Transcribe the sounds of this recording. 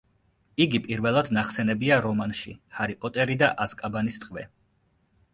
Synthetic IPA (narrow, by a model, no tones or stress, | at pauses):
iɡipʼiɾvɛlˠad̪naχsɛnɛbiaɾɔmanʃḭhaɾipʼɔt̪ʼɛɾid̪aʔazkʼabanist̪ʼqʼvɛ̰